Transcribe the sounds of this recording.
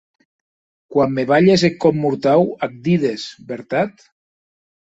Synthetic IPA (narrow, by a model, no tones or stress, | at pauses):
kwamːeβaʎezekːɔmːuɾt̪awak̚d̪iðesbeɾt̪at̪